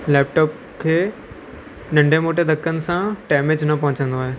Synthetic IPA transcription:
lɛːp̚ʈɔːp̚ | kʰeː | nɐ̃ɳɖʱẽmoːʈed̪ɐkʰːənɪ̆sãʈɛːmed͡ʑnɐpɐ̃ɦʊ̃t͡ɕə̃nd̪oaːɦeː

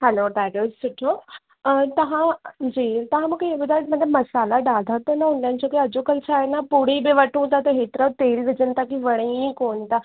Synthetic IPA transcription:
ɦɛloːd̪æʈɪzsʊʈʰːo | t̪ɐʋãd͡ʑiːt̪ɐɦãmũːkʰeeʋəd̪aʈmɐt̪lɐbmɐsaːlaɖaːld̪ʱat̪ənaɦũɳɖ̪ãːnt͡ɕokeɐd͡ʑokəlsaɦenapuɽ̤ibiʋɐʈʰũːt̪at̪əɦet̪ɾəʋt̪eːlʋɪd͡ʑənt̪akiʋɐɽ̃ĩkoːɳt̪a

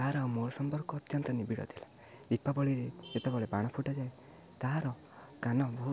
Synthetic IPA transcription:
aɦɾamoɾsɔmpɔɾkɔːt̪jɔnt̪ɔnibiɽɔ̰t̪ʰila | d̪ipːabɔɭiɾeet̪ebɔɭebaɽ̃ɔpʰuʈɔd͡ʒae | t̪aɦaɾɔ | kanɔbɔɦu

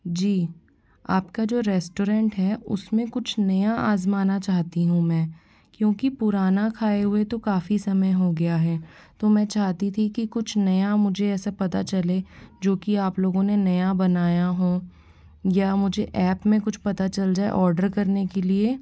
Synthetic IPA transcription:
d͡ʒiː | a̰ːpkad͡ʒoːɾɛːsʈoːɾɛ̃ːɳʈɦɛːʊ̰smẽkʊt͡ʃʰnɐjaa̰ːzmaːnat͡ʃaːɦt̪iɦũmɛ̃ː | kjõːkipʊɾaːnakʰaːeɦʊet̪okaːfisɐməjɦoɡɐjaɦɛːt̪omɛ̃t͡ʃaːɦt̪it̪ʰikikʊt͡ʃʰnɐjamʊd͡ʒʱeɛːsapɐt̪at͡ʃɐled͡ʒoːkiaːploːɡõnenɐjabɐnaːjaɦõː | jamʊd͡ʒʱeʔɛːpmẽkʊt͡ʃʰpɐt̪at͡ʃɐld͡ʒaːḛʔɔːɾɖəɾkɐɾnekelieː

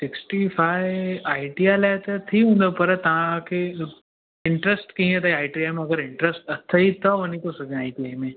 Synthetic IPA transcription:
sɪksʈifʰaɪjaːɪɖijalat̪ɐt̪ʰiɦũːnd̪apɐɾt̪ɐʋãke | ɪ̃ɳʈɾesʈkiɦĩẽt̪aaːiʈiamẽɐɡəɾɪ̃ɳʈɾesʈɐt̪ʰːəit̪ɐʋɐnik̪osɐkeaːiʈiamẽ

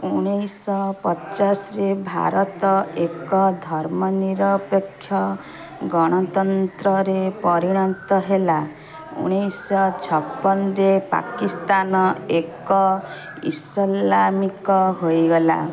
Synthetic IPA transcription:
uɽ̃ejsɔpɔt͡ʃasɾebʱa̰ɾɔt̪ɔekɔd̪ʱɔɾmɔniɾɔpɔkʰːjɔ | ɡɔɽ̃ɔt̪ɔnt̪ɾɔɾepɔɾiɽ̃ɔnt̪ɔɦela | ṵɽ̃ejsɔt͡ʃʰɔpːɔnɔɾepa̰kist̪anɔekɔ | ḭslamikɔɦojɡɔla̰

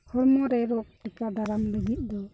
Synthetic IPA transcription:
hɔɽmɔɾɛɾɔk̚ʈɛkad̪aɾamləɡit̪̚ˀd̪ɔ

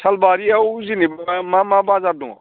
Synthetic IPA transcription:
tʰɐlbaːɾiawzinibmamãbazaɾd̪ṵ̃

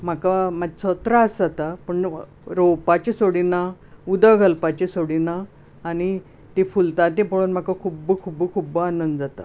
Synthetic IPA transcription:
m̤akamad͡ʑt͡sət̪ɾaəsd͡zat̪apəɳ | ɾowpat͡ɕesoɽina | ud̪əɡʱəlpat͡ɕesoɽinaː | ɽ̃i | t̪ifult̪at̪̬epəɽuːnm̤akakʰuːbəkʰubəkʰubəanənd̪d͡zat̪a̰

